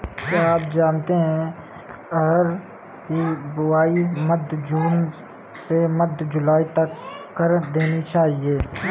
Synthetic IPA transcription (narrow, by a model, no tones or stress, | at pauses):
t̪oaːp̚d͡ʒaːnt̪eɦɛ̃ | ɐɡəɾ | kibʊaːimɐd̪ʱd͡ʒuːn | semɐd̪ʱd͡ʒʊlaːit̪ɐkː | ɐɾd̪eːnit͡ʃaːɦieː